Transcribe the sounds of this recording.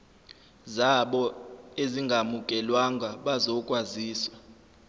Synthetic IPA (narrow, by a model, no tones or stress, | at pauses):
zaɓɔeziŋɡʱamuk̬ʼɛlwaŋʱaɓazɔkʼwaziːswa